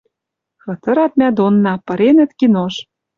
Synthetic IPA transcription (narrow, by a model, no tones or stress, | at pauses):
xɤ̆t̪ɤ̆ɾɑt̪̚mʲæd̪onːɑpɤ̆ɾenɘ̆t̪kinoʃ